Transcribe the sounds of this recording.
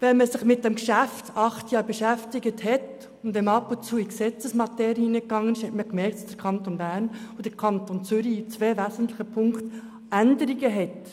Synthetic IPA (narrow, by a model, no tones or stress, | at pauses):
vɛnməsɪχmɪt̚d̥ɛmkʃæftɑχtjɑːɾbəʃæftɪɡəthɛt | ʊntdɛmɑpʊnt͡suːiksɛt͡səsmɑtɛːɾiinəkɡɑŋːənɪʃhɛtməkmɛɾktd̥ɑ̥sd̥əɾkʰɑntonbæɾnod̥əkʰɑntont͡sʏɾit͡sveːvæzən̩tlɪχəpʰʊŋkt | ændəɾiɡəɦɛt